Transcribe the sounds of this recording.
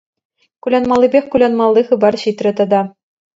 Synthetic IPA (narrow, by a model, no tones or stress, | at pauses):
kulʲɑnmɑlʲˠːibʲexʲkulʲɑnmɑlˠːiχɯ̆bɑrɕit̪rʲɘ̆t̪ɑd̪ɑ